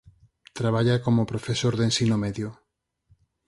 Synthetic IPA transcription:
t̪ɾaβaʎakomopɾofesoɾðensinomeðjo

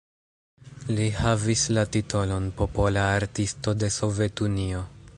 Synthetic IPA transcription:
lihavislatitʰo̞lo̞npo̞polaːɾtisto̞de̞so̞ve̞tunio̞

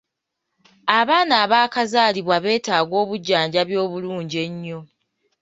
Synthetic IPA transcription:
aβaːnaːβaːkazaːliβwaβe̞ːtaːɡo̞ːβuɟːaːɲɟaβjo̞ːβuluːɲɟe̞ɲːo̞

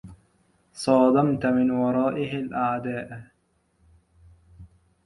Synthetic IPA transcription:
sˤɑːd̪ɑmt̪ʊmɪnwɑɾˤɑːʔɪhɪlʔaʕd̪aːʔ

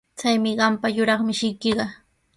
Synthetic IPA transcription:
t͡sajmɪɢɑmpajʊɾɑχmɪʃɪjkɪɢɑ

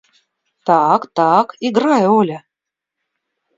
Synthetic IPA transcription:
t̪ɑkt̪ɑkiɡrɑjəolʲɘ

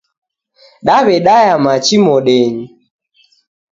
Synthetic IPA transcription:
ɗaβɛɗajamat͡ʃimɔɗɛɲi

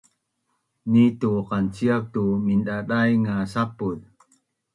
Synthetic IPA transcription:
nituqant͡ɕiak̚tuminɗaɗajŋasapul

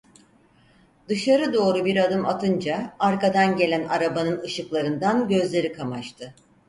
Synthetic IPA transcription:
d̪ɯʃaɾɯd̪o̞ːɾubiɾad̪ɯmat̪ʰɯnd͡ʒaaɾkad̪anɟe̞lʲænaɾabanɯnɯʃɯklˠaɾɯnd̪anɟø̞zlʲe̞ɾikʰamat͡ʃt̪ʰɯ

